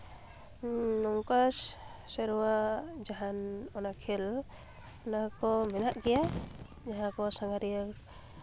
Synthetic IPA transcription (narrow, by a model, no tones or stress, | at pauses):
nɔŋkas | sɛɾuwad͡ʒaɦanɔnakʰɛl | nakɔmɛnaʔɡɛja | d͡ʒaɦãkɔsaŋaɾiə